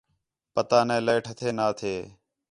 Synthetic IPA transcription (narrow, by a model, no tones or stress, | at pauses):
pət̪aːnẽːləːʈʰət̪ʰeːnaːt̪ʰeː